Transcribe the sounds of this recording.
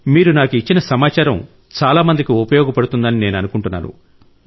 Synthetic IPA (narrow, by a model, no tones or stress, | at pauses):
miːɾunaːkuit͡ʃːinɐsɐmaːt͡ʃaːɾɐm | t͡ʃaːlaːmɐnd̪ikiupɐjɔːɡɐpɐɽut̪und̪ɐnine̞ːnɐnukuɳʈunːa̰ːnṵ